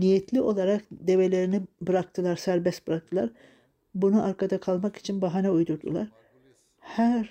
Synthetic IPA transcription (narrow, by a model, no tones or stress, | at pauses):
nijɛt̪ʰlʲiʔo̞lˠaɾakd̪e̞ve̞lʲe̞ɾinibɯɾak̚t̪ʰɯlˠaɾsæɾbɛst̪̚bɯɾak̚t̪ʰɯlˠaɾ | bunuʔaɾkʰad̪akʰalˠmaki̥t͡ʃʰinbaɦanɛujd̪uɾd̪ṵlˠaɾ | hæɾ